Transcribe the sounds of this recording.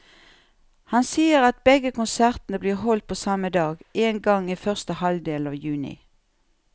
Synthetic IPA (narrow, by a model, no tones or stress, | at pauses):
hɑnsiːəʁɑt̪̚bɛɡəkʊnsæʁt̪nəbliːʁɦɔlt̪̚pʰoːsɑməd̪ɑːɡʔeːnɡɑŋiːfœʁst̪əhɑld̪eːlɑːʋjʉːnɪ̰